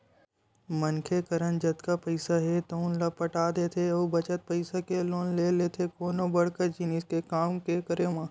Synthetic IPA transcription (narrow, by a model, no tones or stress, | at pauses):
mɐnkʰekəɾənd͡ʒɐd̪kapɐɪsaɦɛt̪oʊnlapɐʈaːd̪eːt̪ʰeoːbɐt͡ʃət̪̚pɐɪsakeloːnleːlet̪ʰekoːnobɐɽkəɾd͡ʒɪniskekaːmkekəɾemãː